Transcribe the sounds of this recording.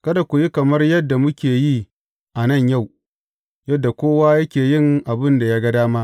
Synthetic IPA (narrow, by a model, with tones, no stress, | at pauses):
kɐ˦da˨kʷʊ˨ji˦kɐ˨mɐ˦rjɐ˦dːa˨mʊ˦kʲeː˨jiː˦ | ʔa˨nɐ˦˨ɲja˦˨w | jɐ˦dːa˨kʷoː˦waː˦jɐ˦kʲeː˨jɪ˦ŋʔa˨bɪ˦nda˨jaː˦ɡɐ˦daː˦maː˦